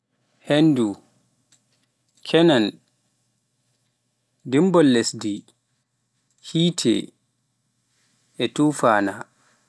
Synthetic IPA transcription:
hendu | kʰɛnan | dimbɔlːesdi | hiːtʰɛ̰ | ʔɛtufaːna

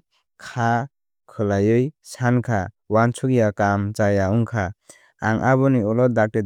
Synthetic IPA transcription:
kʰa | kʰɯlajɯjsankʰa | want͡ʃʰuɡijakamt͡ʃajaɔŋkʰa | aŋʔaβɔniɔlɔd̪ak̚te

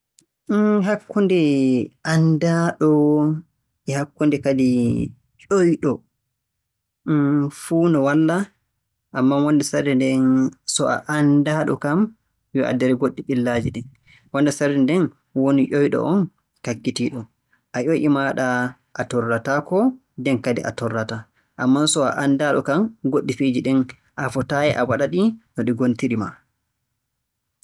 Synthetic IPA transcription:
ɦakːundiʔandaɗɔ | ɛhakːundikadi | jojɗɔ | fuːnɔwalːa | ʔamːawɔndɛsaɾɛndɛnsɔʔa̰ʔandaɗɔ̰kam | jɔʔa̰dɛɾɛɡoɗːiɗilːad͡ʒiɗɛn | wɔndɛsaɾɛndɛn | wonijɔjɗɔ̰ʔɔn | kaɡːitiɗɔ | ʔaʔoʔimaɗa | ʔatɔrːatakɔ | dɛnkadḭʔa̰tɔrːata | ʔamːansɔaʔandaɗɔkamɡoɗːifid͡ʒiɗɛn | ʔafɔtajɛʔawaɗaɗinɔɗiɡontiɾima̰

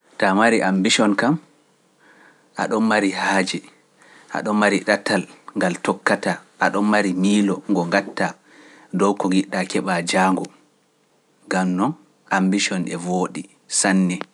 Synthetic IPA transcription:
tamaɾiʔambiʃɔnkam | ʔa̰ɗɔnmaɾihaːd͡ʒɛ | ʔa̰ɗɔnmːaɾiɗatalŋɡaltɔkːataʔaɗɔnmaɾimiːlɔŋɡɔŋɡatːa | dɔwkɔŋɡiɗːakɛɓad͡ʒaːŋɡɔ | ŋɡamnɔn | ʔambiʃɔnʔɛvoːɗi | sanːɛ

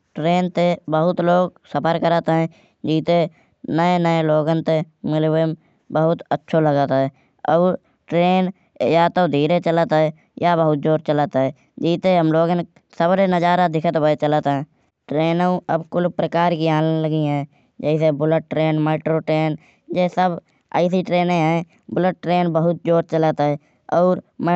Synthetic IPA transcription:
ʈɾeːnt̪ebəɦʊt̪loːɡsəpʰəɾkəɾət̪ɛ̃ː | d͡ʒiːt̪e | nəenəeloːɡənt̪e | mɪlwem | bəɦʊt̪ətːʃʰoləɡət̪ɦɛː | ɔː | ʈɾeːn | jaːt̪od̪ʱiːɾet͡ʃələt̪ɦɛ | jabəɦʊt̪̚d͡ʒoːɾt͡ʃələt̪ɦɛ | d͡ʒiːt̪eɦəmloːɡn | səbɾenəd͡ʒaːɾad̪ɪkʰət̪bəet͡ʃələt̪ɦɛ̃ː | ʈɾeːnũəbkʊlpɾəkaːɾkiaːneləɡiɦɛ̃ː | d͡ʒɛːisebʊləʈ̚ːɾeːnmeːʈɾoːʈɾeːn | d͡ʒeːsəb | a̰ːɪsiʈɾeːnẽɦɛ̃ | bʊləʈ̚ːɾeːnbəɦʊt̪̚d͡ʒoːɾt͡ʃələt̪ɦɛː | ɔːɾm

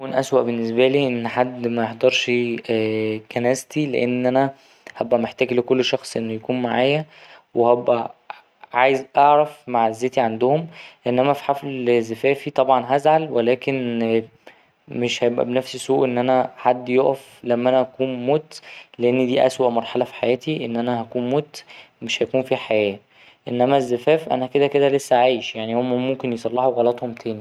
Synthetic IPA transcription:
jkuːnʔæswæʔbenːesbæliːʔenːħad̪ːmæjeħd̪ɑɾˤʃ | kænæːst̪ileʔenːʔænæ | hæbʔæmeħt̪æːɡlekolːʃɑxsˤʔenːojækuːnmaʕaːjæwehæbʔæ̰ | ʕaːjezʔɑʕɾæfmaʕzːæːt̪iʕand̪ohomeʔenːʔæmæfi̥ħaflzæfæːfit̪ˤɑbʕɑnɦæzʕalwelæːken | meʃhæjebʔæ̰benæfssuːʔenːʔænæħad̪ːjoʔæf | læmːʔænæʔækuːnmot̪leʔenːid̪iːʔæ̰swæʔmɑɾˤħɑlɑfi̥ħajæːt̪iʔenːʔænæhækuːnmoːt̪ | meʃhæjkuːnfiħajæː | ʔenːæmæzːæfæːfʔæ̰næked̪ækeælesːæʕaːjʃjaʕnimːæmomkenjesˤɑlːɑħuɣɑlɑt̪homt̪ʰæːni

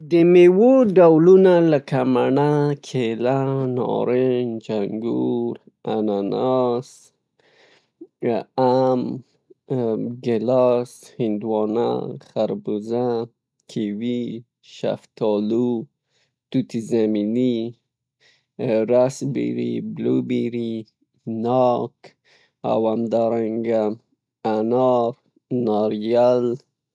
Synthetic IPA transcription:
d̪əmewoɖawlunalakamaɳakʰelanɔ̰ɾend͡ʒaŋɡuɾ | ananas | am | ɡelashɪnd̪wɔna̰χaɾbuza | kʰiwi | ʃa̰ft̪ʰɔlu | t̪ut̪izamini | ɾasbḭɾḭblubiɾi | nɔk | a̰wamd̪aɾaŋɡa | anɑɾ | nɑɾjal

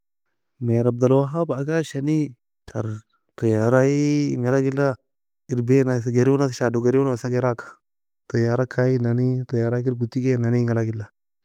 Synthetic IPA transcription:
meɾab̚d̪alwaɦabaɡaʃani | tʰaɾ | tajaɾajiŋalaɡilːa | iɾbenaɡeɾiwunaʃadoɡeɾunwasaɡeɾakḁ | tajaɾakʰainanitajaɾakiɾɡutːikenaniŋalaɡilːa

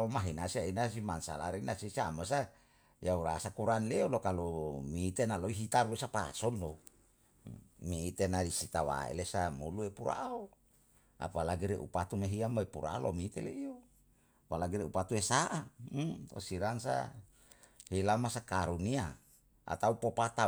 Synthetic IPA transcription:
omaɦinasiainas̬imansa̰la̰ɾenasisiamasa | jauɾasakuɾanleolokalomiːt̪enaloiɦit̪aɾwesapa̰sɔndo | miːt̪enaisit̪awa̰ḛlesamuluepuɾa̰o | a̰palaɡiɾḛʔṵpat̪umeɦiamoepuɾa̰lo̰mit̪eleio | palaɡiɾeṵpat̪uesaʔa | o̰siɾansa̰ | hilamasakaɾunia | a̰t̪aupopat̪a

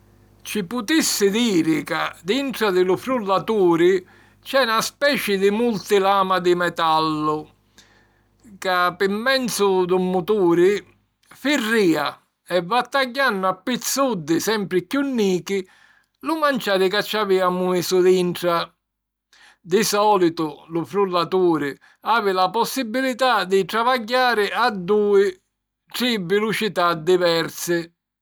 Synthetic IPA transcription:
t͡ʃipʊt̪isːɪd̪iːɾɪka̰d̪iɳʈɾad̪ɪlʊfɾulːat̪uːɾɪ | t͡ʃɛnaspɛːt͡ʃɪd̪ɪmult̪ɪlaːmad̪ɪmɛt̪alːʊ | kapɪmːɛnt̪sʊd̪umːut̪uːɾɪ | firːiːa | ɛvːat̪ːaɟːanːʊapːit̪sːud̪ːɪsɛmpɾɪkjunːiːkɪ | lʊmant͡ʃaːɾɪkat͡ʃːaviːamumisʊd̪iɳʈɾa | d̪isɔːlit̪ʊlʊfɾulːat̪uːɾɪ | aːvɪlapɔsːibːilit̪ad̪ɪt̪ɾavaɟːaːɾɪad̪ːuːɪ | ʈɾivɪlut͡ʃit̪ad̪ːivɛɾsɪ

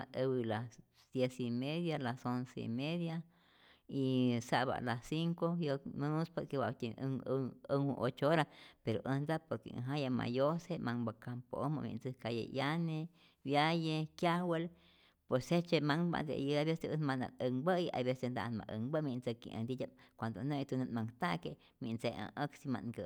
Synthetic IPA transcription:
a̰əwilas | d̪̥jesimeðjalasonseḭmeðja | isaʔba̰ʔlasiŋkojomonuspoɾkewat̪ʲiŋəŋwṵʔot͡ʃooɾapeɾoʔənd̪apoɾkḛa̰ɦãjama̰josemaŋbakampooma̰mḭ̃nd͡zəkajḛʔjane | bjajekjawel | pweset͡ʃemaŋba̰d̪ḛjəabeseənmana̰kəŋbəja̰βesend̪a̰ʔnma̰ʔəŋbəmint͡səkḭʔa̰nd̪idʲakʷand̪onet̪unənmaŋt̪ake | mint͡seã̰ʔəksima̰nɡə

